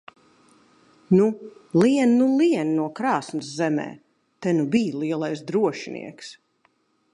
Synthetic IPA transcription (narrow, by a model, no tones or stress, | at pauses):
nuliɛnːuliɛnnuɔkɾɑːsnɨszɛmɛ̰ː | t̪ɛnubiːlˠiɛlˠajsd̪ɾuɔʃinḭɛks